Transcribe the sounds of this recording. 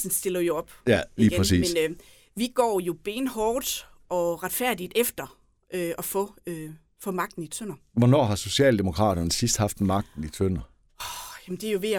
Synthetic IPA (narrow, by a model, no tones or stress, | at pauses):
sn̩sd̥e̝lɐjo̝ɒ̽b̥jæliːɡpʁɛnsḭːmen | ʋiɡ̥ɒ̰ːjo̝b̥e̝nhɒːd̥ | ɒ̽ʁɑ̈d̥fæɐ̰d̥id̥efd̥ɐ | ʔøɒ̽fɔø | fɔ̽mɑ̈ɡ̥̚d̥n̩it͡sʰøn̰ɐ | ʋɒnɒ̰ːɦɑ̈so̝ɕiɛ̰ːld̥e̝mo̝kʰʁɑ̰̈ːd̥ɐnəsisd̥hɑ̈fd̥mɑ̈ɡ̥̚d̥n̩it͡sʰøn̰ɐ | ɒjæmn̩d̥e̝ɐjo̝ʋe̝æ